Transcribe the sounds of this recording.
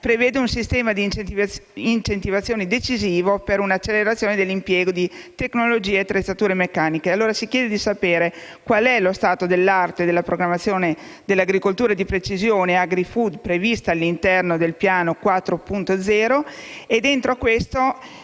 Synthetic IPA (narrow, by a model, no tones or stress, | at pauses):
pɾeveːd̪eunsist̪ɛːmad̪i | int͡ʃent̪ivat̪sːjoːned̪et͡ʃiziːvopeɾunat͡ʃːelːeɾat̪sːjoːned̪elːimpjɛːɡod̪it̪eknolod͡ʒiːeːat̪ːɾet̪sːat̪uːɾemekːaːnikealːoːɾasikjɛːd̪ed̪isapeːɾe | kwalɛlost̪aːt̪od̪elːart̪ed̪elːapɾoɡɾamːat̪sːjoːne | d̪elːaɡɾikolt̪uːɾaed̪ipɾet͡ʃizjoːneaɡɾifud̪pɾevist̪aːlːint̪ɛrnod̪elpjaːnokwat̪ːɾopunt̪od̪zɛːɾoed̪ent̪ɾokwest̪o